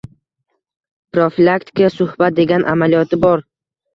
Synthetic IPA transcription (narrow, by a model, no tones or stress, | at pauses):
pɾofilˠakt̪ʰɪ̥kʰasʊhb̥at̪̚d̪e̞ɡʲanʔa̰malijɒt̪ʰɪbɒɾ